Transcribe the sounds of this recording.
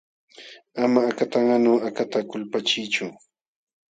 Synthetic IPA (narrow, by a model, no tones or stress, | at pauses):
amaːkat̪aŋanoːakat̪akʊlpat͡ʃɪjt͡ʃʊ